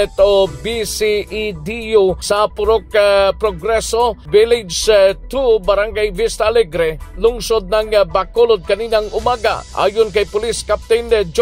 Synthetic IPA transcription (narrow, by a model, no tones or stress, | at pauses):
ɛt̪obisiʔid̪ijusɐpʊɾokpɾoɡɾɛsobɪlɪd͡ʒt̪ubɐɾaŋɡajvist̪alɛɡɾɛlʊŋsod̪̚nɐŋbɐkolod̪̚kɐniːnɐŋʊmaːɡa̰ʔa̰ːjonkɐjpʊliskap̚t̪ɪnd͡ʒ